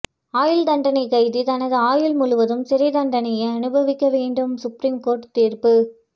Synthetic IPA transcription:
aːjɪld̪ɐɳɖɐnɐɪkːɐɪðit̪ɐnɐðɯaːjɪlmʊɻʊʋɐðɯmsɪɾɐɪd̪ɐɳɖɐnɐjɐɪɐnɯbɐʋɪkːɐʋeːɳɖɯmsʊpɾiːmkoːɾʈt̪iːrpɯ

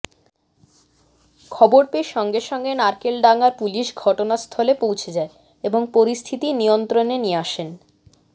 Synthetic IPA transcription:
kʰɔboɾpeʃɔŋɡeʃɔŋɡenaɾkelɖaŋaɾpuliʃɡʱɔʈonast̪ʰɔlepowt͡ɕʰed͡ʑae | eboŋpoɾist̪ʰit̪inijont̪ɾonenieaʃen

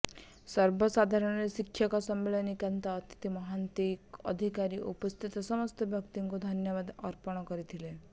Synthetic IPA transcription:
sʌɾbɔsad̪ʱaɾɔɽ̃ɾesikʃʰjakɔsɔmːeɭɔnikant̪aːt̪i̥t̪imɔɦant̪ikɔ̰d̪ʱikaɾiʔṵpɔst̪ʰit̪ɔsɔmɔst̪ɔbʱjɔkt̪iŋkud̪ʱʌnjɔβad̪ɔɾpɔɽ̃ɔkɔɾit̪ʰile

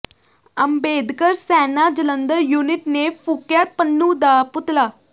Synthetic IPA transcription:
əmbed̪kəɾsɛnad͡ʑələnd̪əɾjuniʈnefukjat̪̚pənːũːd̪aput̪la

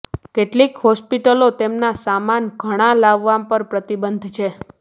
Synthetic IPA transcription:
keʈlikɦɔspiʈəlot̪emnasamanɡʱəɽ̃ãlaʋːapəɾpɾət̪ibənd̪ʱt͡ʃʰe

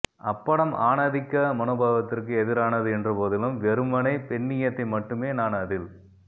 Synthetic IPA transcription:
ʔɐpːɐɽɐmʔaːnɐðɪkːɐmɐnoːbaːʋɐt̪ːɪrkɯɛðɪɾaːnɐðɯɛndrɯpoːðɪlɯmʋɛɾɯmːɐnɐɪpɛɳːɪjɐt̪ːɐɪmɐʈːɯmeːnaːnɐðɪl

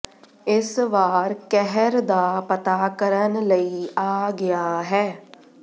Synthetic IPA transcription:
ɪsʋaːɾkɛɦɛɾd̪aːpət̪aːkəɾənləiaːɡɪjaɦɛː

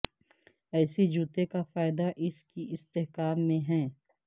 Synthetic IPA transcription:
ɛːsed͡ʒuːt̪ekafaːɪd̪aʔɪskiʔɪst̪eɦkaːmːẽɦɛ̃ː

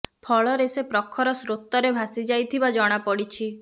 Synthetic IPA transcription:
pʰɔɭɔɾesepɾɔkʰːɔɾɔsɾot̪ːɔɾebʱasid͡ʒajt̪ʰibad͡ʒɔɽ̃apɔɽit͡ʃʰi

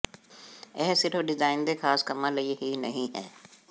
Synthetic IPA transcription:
ɛɦsɪʈʰoɖɪzaːɪnd̪exʰaːskɐmãlɐiɦinɐɦĩɦɛ̰ː

